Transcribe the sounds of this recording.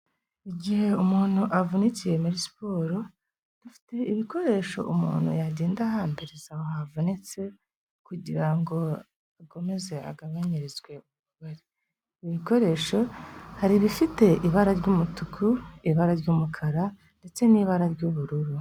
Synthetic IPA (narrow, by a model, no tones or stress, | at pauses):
iɟihe̞umuːn̥huʔavunicije̞muɾispo̞ːɾo̞ | d̥ufi̥te̞iβiko̞ɾe̞ːʃo̞̰ʔumṵːnhṵjaɟiːndahambe̞ɾezahohavunit͡se̞ | kuɟiɾaŋɡo̞ | ako̞me̞ze̞a̰ɡaβaɲiɾizɡwe̞uβuβaɾi | iβiko̞ɾe̞ːʃo̞haɾiβifite̞ʔiβaɾaɾɟumutukʰuiβaɾaɾɟuːmukʰaɾa | nde̞t͡se̞niːβaɾaɾɟuβuɾuɾu